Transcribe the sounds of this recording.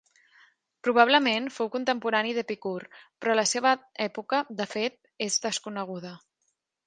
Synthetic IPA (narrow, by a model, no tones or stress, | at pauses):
pɾuβ̞aβləmenfowkunt̪əmpuɾaniðəpikurpɾɔləseβ̞əɛpukəd̪əfet̪̚ | ezðəskunəɣ̞uð̞ə